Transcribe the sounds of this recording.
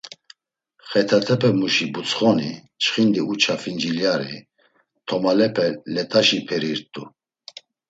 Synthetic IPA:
χɛt̪ʰat̪ʰɛpʰɛmuʃibut͡sχɔnḭ | t͡ʃχind̪iut͡ʃʰafind͡ʒiljaɾḭ | t̪ʰɔmalɛpʰɛlɛt̪ʼaʃipʰɛɾiɾt̪ʼu

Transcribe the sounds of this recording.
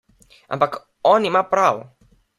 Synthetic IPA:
a̰mbak | ɔnimapɾaw

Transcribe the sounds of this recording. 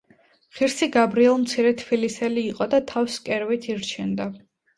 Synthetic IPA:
χiɾsiɡabɾiɛlˠmt̪sʰiɾɛt̪ʰpʰilisɛliːqʼɔd̪at̪ʰawskʼɛɾvit̪ʰiɾt͡ʃʰɛnd̪a

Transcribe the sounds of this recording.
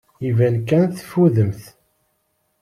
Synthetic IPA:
ivænkænθfuðəmθ

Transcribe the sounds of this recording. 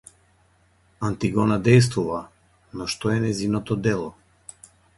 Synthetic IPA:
ant̪iɡɔnad̪ɛjs̬t̪vuva | nɔʃt̪ɔɛnɛzinɔt̪ɔd̪ɛlˠɔ

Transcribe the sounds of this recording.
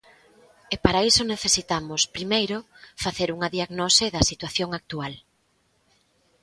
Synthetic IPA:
epaɾaisʊneθesit̪amʊspɾimejɾʊfaθeɾuŋɐðiaɣnosɪðɐsit̪waθjoŋak̚t̪ual

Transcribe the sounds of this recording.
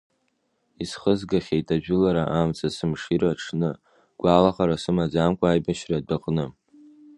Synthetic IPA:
isχəzɡaχʲejtʼaʒᶣʊlaɾaʔamt͡sʰasɨmʂiɾaʈ͡ʂʰnɨ | ɡ̥ʷaːlaχaɾasɨmad͡zamkʷʼaːjbaʃradaqʼnɨ

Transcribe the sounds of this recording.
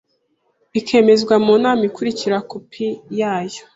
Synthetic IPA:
βikʰe̞ːme̞zɡwamuːnaːmikuɾiciɾakopʰijaːjo̥

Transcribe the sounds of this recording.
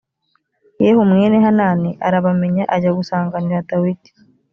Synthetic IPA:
jehumŋe̞ːneɦanaːniʔaɾaβame̞ɲaʔaɟaɡusaːŋɡaniɾatawiti̥

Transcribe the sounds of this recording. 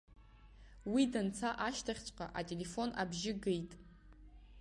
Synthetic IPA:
widant͡sʰaʔaʃtʰaχʲt͡ʃʷʼqʼa̰ʔatʲʼe̞le̞fo̞na̰bʒɪɡejtʼ

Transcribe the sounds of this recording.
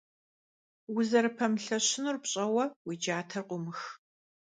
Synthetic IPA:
wʊzɐɾɨpʰɐmɬɐɕɪnurpɕʼɐwɐwiːd͡ʒaːtʰɐrqʷʊmɨx

